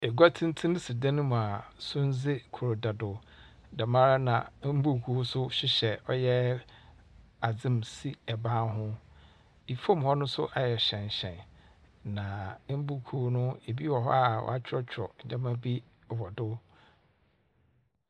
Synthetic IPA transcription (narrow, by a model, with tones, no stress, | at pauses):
e˨ɡʷa˦tʰɪ̃˦n̩˦tʰĩ˦nʊ̃˦si˨dã˦nʊ̃˦m̃˨a˨sʊ̃˦n̩˦d͡zɪ˦kʰʊ˨ɾʊ˨da˨dʊ˨ | da˨mã˦ɾa˦nã˨m̩˦bu˦˨kʰu˦ʊ˦sʊ˦ɕᶣɪ˦ɕɛ˨ɔ˦jɛ˦ | a˨d͡zɪ̃˦msi˦ɛ˨bãː˦ɦʊ̃˦ | i˨fõ˦m˨hɔ˦nʊ̃˦sʊ̰˦ʔa˨jɛ˨ɕɛ̃˨ɲ˨ɕɛ̰̃˨n | nã˨˦m̩˦bu˦kʰu˦nʊ̃˦e˨bi˦wɔ˨ɦɔ̰˦a˨wɔ̰˨a˦t͡ɕʰᶣɾɔ˦t͡ɕʰᶣɾɔ̰˨ɲ̩˨d͡ʒã˦mã˦bi˦˨ | wɔ˨dʊ˦